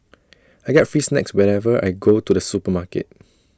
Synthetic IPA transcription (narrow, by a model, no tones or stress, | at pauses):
ajɡɛt̚fɹiːsnɛ̰kswɛɹɛvəa̰jɡotudəsupəmakə̰t̚